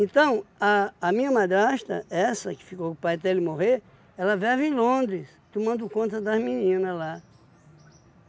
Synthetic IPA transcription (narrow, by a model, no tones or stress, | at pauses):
ẽnt̪ɐ̃w̃ɐːmĩɲɐmad̪ɾaʃt̪ɐ̰ɛsɐkɪ̥fikowkpajt̪elɪmoɦeɾ | ɛlɐvɛvɪ̃lõd̪ɾɪs | t̪umɐ̃nd̪ʊkõnt̪̬ɐd̪ɐzmĩnĩnɐzla